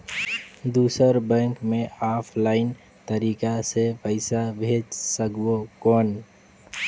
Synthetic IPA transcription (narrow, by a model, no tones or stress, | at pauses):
d̪uːsəɾbɛ̃ŋkmẽaːpʰlaːɪn | t̪əɾiːkasepəɪsabʱeːd͡ʒsəkokɔːn